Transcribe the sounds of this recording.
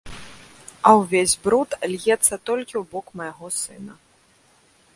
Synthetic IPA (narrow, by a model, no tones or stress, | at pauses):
ɐwvʲezʲbɾut̪lʲjɛt̪sːɐt̪ɔlʲkʲiwbɔkmɐjaɣɔsɨnɐ